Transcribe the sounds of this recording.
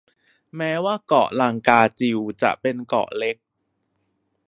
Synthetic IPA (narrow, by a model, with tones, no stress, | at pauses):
mɛː˦˥waː˥˩kɔ̰˨˩ʔlaː˧˩ŋkaː˧t͡ɕi˧wt͡ɕa̰˨˩ʔpe˧nkɔ̰˨˩ʔle˦˥k̚